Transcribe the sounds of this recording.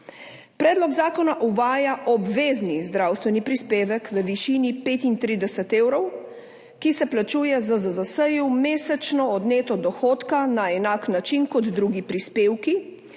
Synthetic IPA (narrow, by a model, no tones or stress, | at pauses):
pɾɛːd̪lɔɡzaːkɔnaʔuʋaːjaʔɔbʋeːznizd̪ɾawst̪ʋɛnipɾispeːʋɛkʋəʋiʃinipeːt̪int̪ɾiːd̪ɛsɛt̪eːwɾɔw | kisɛplat͡ʃuːjɛzazazasəjumeːsɛt͡ʃnɔːd̪neːt̪ɔd̪ɔxoːt̪kanaɛnaːknat͡ʃinkɔd̪d̪ɾuːɡipɾispeːwki